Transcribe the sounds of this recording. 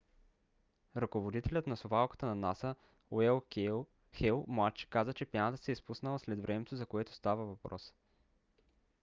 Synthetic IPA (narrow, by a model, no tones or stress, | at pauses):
ɾɐkovod̪it̪ɛlʲət̪nɐsovalˠkə̥t̪ənɐnasə | oɛlˠ | xɛlˠmat͡ʃɛ̥kazət͡ʃɛpjanət̪əsɛispusnəlˠəslɛd̪vɾʔɛmɛt̪ozɐkoɛt̪o̥st̪avəvɐpɾɔ̰s